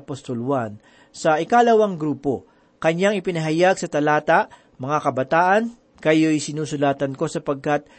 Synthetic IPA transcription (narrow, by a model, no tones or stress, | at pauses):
post̪olwan | sɐʔɪkalɐwɐŋɡɾuːpo̞ | kɐɲjaŋɪpɪnɐɦɐjaɡ̚sɐt̪ɐlaːt̪aʔ | mɐŋakɐbɐt̪aːʔɐn | kɐjo̞jsɪnuːsʊlaːt̪ɐnko̞sɐpɐɡ̚kat̪̚